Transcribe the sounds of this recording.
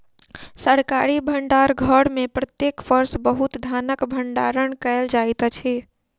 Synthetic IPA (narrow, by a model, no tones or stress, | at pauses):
səɽkaɾibʱəɳɖaɾɡʱəɽmepɾət̪jekpəɾsbəɦut̪d̪ʱanəkbʱəɳɖa̰ɾəɳkəeld͡ʒajt̪t͡ʃʰɛ